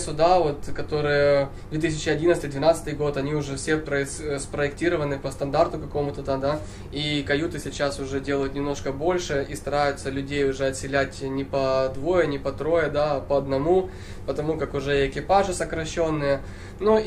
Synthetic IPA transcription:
sʊd̪avo̞t̪̚kɐt̪o̞ɾɨjə | d̪vʲet̪isʲɪt͡ɕːɪɐdʲint̪st̪ɨjd̪vʲɪnat̪sɨt̪ɨjɡo̞t̪ɐnʲiʊʐɛfsʲepɾəspɾəɪktʲiɾəvənɨpəst̪ɐnd̪art̪ʊkɐko̞mʊt̪ət̪ad̪a | ikɐjut̪ɨsʲɪt͡ɕːasʊʐɛdʲelˠəjʊt̪nʲɪmno̞ʂkəbo̞lʲʂɨʔist̪ɐɾajʊt̪səlʲʉdʲejʊʐɛɐt̪ʲsʲɪlʲætʲnʲɪpɐd̪vo̞jənʲɪpɐt̪ɾo̞jəd̪aːpɐɐd̪nɐmu | pət̪ɐmukakʊʐɛɪkʲɪpaʐɨsəkɾɐɕːo̞nːɨjə | nu

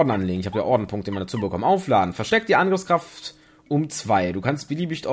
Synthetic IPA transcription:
dn̩ʔanleːɡŋ̩ɪçhaːbəda̰ːʔɔɐdn̩pʰʊŋk̚təmiːɐdaɐt͡suːbəkʰɔmənʔaʊflaːdn̩fɛɐʃtɛktd̥iːʔanɡʁɪfskʁ̥aft | ʔʊmt͡sv̥aɪduːkʰanstb̥əliːbɪçʰɔ

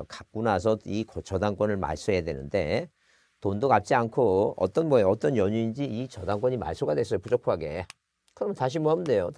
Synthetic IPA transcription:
kak̚k͈unasʰʌikt͡ɕʌdaŋk͈wʌnɯɭma̰ɭs͈ujadwe̞̰nɯ̰nde̞ | tondoɡap̚t͡ɕ͈iankʰoʌ̰t͈ʌnmʌjeʌt͈ʌnjʌɲuind͡ʑiit͡ɕʌdaŋk͈wʌɲima̰ɭs͈ʰoɡadwe̞s̬͈ʌjopud͡ʑokʰaɡe̞̰ | kɯɾʌmʌntaɕ̬ʰimʌamde̞jot

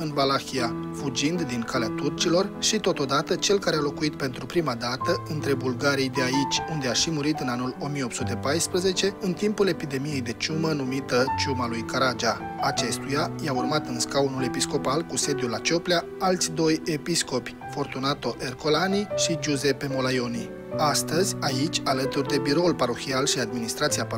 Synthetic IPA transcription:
ɨnvalaxiafud͡ʒind̪ːinkaleat̪urt͡ʃilo̞rʃit̪o̞t̪o̞d̪at̪ət͡ʃe̞lkaɾealo̞kuit̪̚pe̞nt̪ɾupɾimad̪at̪əɨnt̪ɾe̞bulɡaɾijd̪eait͡ʃʲund̪eaʃimuɾit̪ɨnanulo̞mije̞o̞p̪sut̪e̞pajspɾəze̞t͡ʃe̞ɨnt̪impule̞pid̪e̞mije̞jd̪e̞t͡ʃumənumit̪ət͡ʃumalujkaɾad͡ʒa | at͡ʃe̞st̪ujajaurmat̪ɨnskaunule̞pisko̞palkuse̞d̪julat͡ʃo̞plea | alt̪sʲd̪o̞je̞pisko̞pʲ | fo̞rt̪unat̪o̞ʔe̞rko̞laniʃid͡ʒuze̞pe̞mo̞lajo̞ni | ast̪əzʲait͡ʃʲalət̪urd̪e̞biɾo̞ulpaɾo̞xialʃiad̪̚minist̪ɾat̪siap

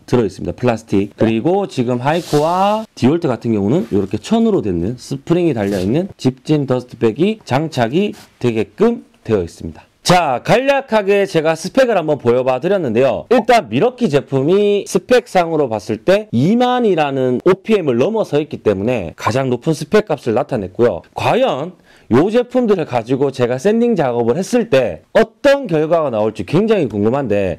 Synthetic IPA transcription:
tɯɾʌis͈ɯmɲḭd̥apʰɯɭasʰɯ̥tʰik̚k͈ɯɾiɡot͡ɕiɡɯmɦaikʰowatioɭtʰɯɡatʰɯnɡjʌŋunɯnjoɾʌkʰet͡ɕʰʌnɯɾodwenːɯnsʰɯpʰɯɾiŋitaʎːʌinːɯnt͡ɕip̚t͡ɕ͈indʌsʰɯ̥pʰe̞ɡit͡ɕaŋt͡ɕʰaɡitwe̞ɡe̞k͈ɯm | twe̞jʌis͈ɯmɲidḁ | t͡ɕakaʎːakʰaɡe̞t͡ɕe̞ɡasʰɯ̥pʰe̞ɡɯɾɦambʌnpojʌbadɯɾjʌnːɯnde̞jo̰iɭt͈anmiɾʌkʰid͡ʑe̞pʰumisʰɯpʰe̞k̚s͈aŋɯɾopas͈ɯɭt͈e̞imaɲiɾanɯnopʰiemɯɭːʌmʌsʰʌit̚k͈it͈e̞mune̞̰kad͡ʑaŋnopʰɯnsʰɯ̥pʰe̞k͈ap̚s͈ɯɭnatʰanɦe̞t̚k͈ojo̰kwajʌn | jod͡ʑe̞pʰumdɯɾɯɭkad͡ʑiɡot͡ɕe̞ɡas͈e̞ndiŋd͡ʑaɡʌbɯɭhe̞s͈ɯɭt͈e̞ʌt͈ʌnkjʌɭɡwaɡanaoɭt͡ɕ͈ikwe̞ŋd͡ʑaŋikoŋɡɯmɦande̞

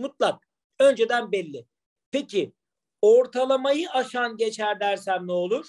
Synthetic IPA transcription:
mut̪̚lˠak̚ | ø̞nd͡ʒed̪ænbɛlʲːɪ | pʰecʰi | oɾt̪ʰalˠamajɯʔaʃanɟet͡ʃʰæɾd̪æɾsæmnolˠuɾ̥

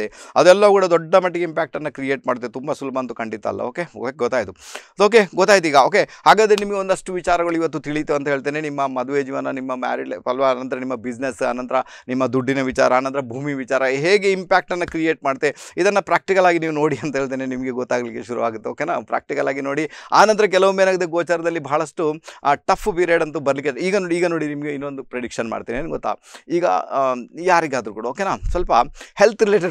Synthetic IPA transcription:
eɐd̪uɛlːɐʋɐkuːɽɐd̪ɔɖːɐmɐʈːiɡeimpaːk̚ʈɐnːɐkɾijeːʈmaːɽt̪ːet̪umbɐsulbʱɐɐnt̪ukɐɳɖit̪ːa̰ːlːɐ̰oːkeɡɔt̪ːaːjit̪ud̪oːk̬e̞ɡɔt̪ːaːɡit̪uiːɡɐo̞ːke̞haːɡaːd̪ɾenimɐɡeond̪ɐʂʈuʋit͡ʃaːɾɐɡɐɭuiʋɐt̪̬ːut̪iɭit̪uɐnt̪ɐɦeːɭt̪eːne̞nimːɐmɐd̪uʋeːd͡ʒiʋɐnɐnimːɐma̰ːɾiɖɐlʋɐnɐnt̪ɐɾɐnimːɐbid͡ʒnesɐ̰ːnːɐnt̪ɐɾɐ | nimːɐd̪uɖːinɐʋit͡ʃa̰ːɾɐːnɐnt̪ɐɾɐbʱuːmiʋit͡ʃaːɾɐɦe̞ːɡeimpaːk̚ʈɐnːɐkɾijeːʈ̚maːɽt̪ːeid̪ɐnːɐpɾaːk̚ʈikɐlaːɡiniːʋuno̞ːɽiɐnt̪ɐɦeːɭt̪̬eːnenimɐɡeɡɔt̪ːaːɡɐlikːeʃuɾṵʋaːɡut̪ːeoːkenaːpɾa̰ːk̚ʈikɐlaːɡino̞ːɽiaːnɐnt̪ɐɾɐk̬ɛlɐʋumːenaːɡid̪eɡoːt͡ʃaːɾɐd̪ɐlːibʱɐɦɐɭɐsʈuʈɐpʰːpiɾjeːɖɐnt̪ubɐɾɐlik̬ːeiːɡɐnoiːɡɐnoːɽinimɐɡeinːond̪upɾeɽikʂɐnma̰ːɽt̪iːnieːnɡɔt̪ːa̰ːiːɡɐ̰jaːɾiɡaːd̪ɾukuːɽɐoːkenaːsʋɐlpɐhelt̪ʰɾileːʈɐ

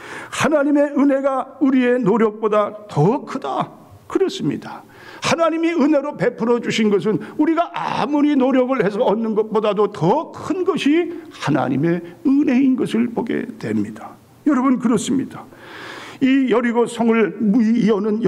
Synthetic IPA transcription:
hanaɲime̞ɯne̞ɡauɾie̞noɾjʌk̚p͈odatʌkʰɯda | kɯɾʌs͈ɯmɲḭda | hanaɲimiɯne̞ɾope̞pʰɯɾʌd͡ʑuɕʰinɡʌs̬ʰɯnuɾiɡaʔa̰muɾinoɾjʌɡɯɭhe̞sʰʌʌnːɯnɡʌt̚p͈odadotʌkʰɯnɡʌɕʰihana̰ɲime̞ɯne̞inɡʌsʰɯɭpoɡe̞̰dwe̞̰mɲid̥a | jʌɾʌbɯnkɯɾʌs͈ɯmɲid̥a | ijʌɾiɡosʰʌŋɯɭmiːʌnɯnj

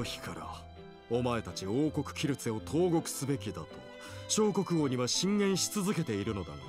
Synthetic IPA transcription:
oçi̥kaɾa̰ | o̞mae̞t̪at͡ɕio̞ːko̞kɯ̟̥kʲiɾɯ̟t͡se̞o̞t̪ʰo̞ːɡo̞kɯ̟̥sɨbe̞kʲid̪at̪o̞ | ɕo̞ːko̞kɯ̟ɡo̞ːɲ̟iβaɕĩŋɡẽ̞ɰ̃ɕi̥t͡sɨzɨke̞t̪e̞iɾɯ̟no̞d̪a̰jo

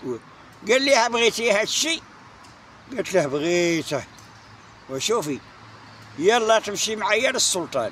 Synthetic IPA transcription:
w | ɡælːihæbɣit̪ihæd̪ʃi | ɡæt̪lihbɣit̪æ | wæʃufi | jælːɑt̪əmʃimʕajænəsːʊlt̪ˤɑ̰n

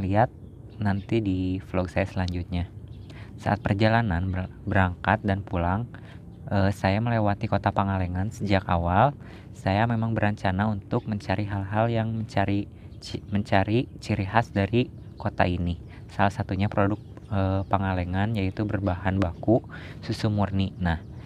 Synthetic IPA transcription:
liat̪̚ | nant̪idiflɔɡ̚sajasəlaɲd͡ʒut̪̚ɲa | sa̰ʔa̰t̪̚pərd͡ʒalananbəɾaŋkat̪̚danpulaŋ | ʔəsajaməlewat̪ikot̪apaŋalɛŋansəd͡ʒakawal | sajamemaŋbəɾaɲt͡ʃanaunt̪ʊk̚məɲt͡ʃaɾiɦalɦaljaŋməɲt͡ʃaɾi | məɲt͡ʃaɾit͡ʃiɾiɦasdaɾi | kot̪a̰ini | salahsat̪uɲapɾodʊk̚ | əpaŋaleŋanjait̪ubərbaɦanbakususumurninah

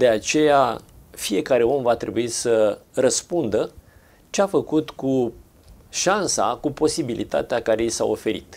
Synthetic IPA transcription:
d̪̥e̞at͡ʃe̞jafije̞kaɾe̞o̞mvat̪ɾe̞buisərəspund̪ə | t͡ʃeafəkut̪ku | ʃansa̰kupo̞sibilʔḭt̪a̰t̪eakaɾe̞jsa̰o̞̰fe̞ɾḭt̪

